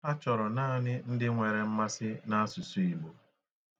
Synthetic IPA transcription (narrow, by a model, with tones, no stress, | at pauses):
a˦t͡ʃɔ˨ɾɔ˨naː˦˨nɪ˦n̩˦dɪ˦ŋʷe˨ɾe˨m̩˦ma˦sɪ˦na˦a˦su˨su˦i˨ɡ͡bo˨